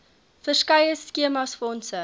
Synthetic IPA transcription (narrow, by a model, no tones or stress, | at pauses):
fərskɐjəskiəmɐsfɔnsə